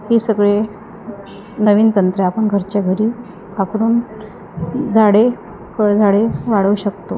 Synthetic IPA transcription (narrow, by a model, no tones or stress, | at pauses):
hisəɡɭe | nəʋiːnt̪ənt̪ɾəapəɳɡʱəɾt͡ɕaɡʱəɾiː | apɽ̃uːn | d͡zʱaɽe | kəɭd͡zʱaɽeʋaɽəuɕək̚t̪o